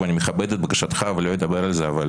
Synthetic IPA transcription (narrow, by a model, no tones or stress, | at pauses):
anʲimeχabɛd̪et̪bɐkaʃat̪χavelo̞jed̪abeɾalzeaval